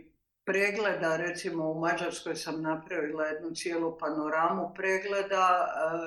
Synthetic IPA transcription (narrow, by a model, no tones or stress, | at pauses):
pɾeːɡled̪aɾe̞t̪simo̞umad͡ʒaɾsko̞jsamnapɾaʋilaje̞d̪nut̪sjeːlupanoɾaːmupɾeːɡled̪a